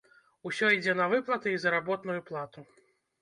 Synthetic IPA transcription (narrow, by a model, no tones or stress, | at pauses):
usʲɔid͡zʲɛnɐvɨplˠɐt̪ɨizɐɾabɔt̪nujuplˠat̪u